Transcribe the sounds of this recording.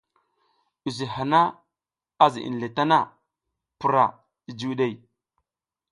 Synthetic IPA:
u˨zi˨ha˨na˦ | a˦zḭ˨ʔḭ˨n˨le˨ta˦na˦˨ | pu˨ɾa˨ | i˨d͡ʒu˦ɗe˦˨j

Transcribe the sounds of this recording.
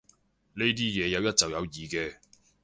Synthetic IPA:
ne˥jt̪̬iː˥jɛː˨˧jɐ˨˧wjɐ˥t̚t͡sɐ˨wjɐ˨˧wjiː˨kɛː˧

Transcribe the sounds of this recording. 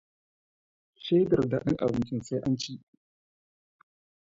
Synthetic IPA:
ʃe˦dɐ˨rda˨ɗɪ̰˦ŋʔa̰˨bɪ˨nt͡ʃɪ˦nsa˦jʔa˦nt͡ʃi˦ʔ

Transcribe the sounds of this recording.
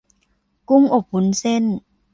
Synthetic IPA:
ku˧˥˨ŋʔo˨˩p̚hu˨˦nse˧˥˨n

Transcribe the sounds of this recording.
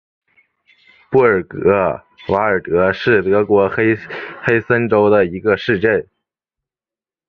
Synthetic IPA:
pu˥˩ə˞˨˩kɤ˧˥ | wa˧˥ə˞˨˩t̪ɤ˧˥ʂɻ̩˥˩t̪ɤ˧˥kwɔ˧˥xxe˥ɪsə˥nʈ͡ʂo˥ʊd̪ə˨i˧˥ɡə˧ʂɻ̩˥˧t͡ɕjɛ˥˩n

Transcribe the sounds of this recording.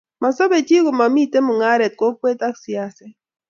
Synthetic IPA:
ma˨sɔ˦be˨t͡ʃi˦ɣo˨ma˨mi˦˨te˦mʊ˨ŋa˦ɾɛ˨t̚ko˦kwe˦ta˦ksi˨a˦sɛ˦

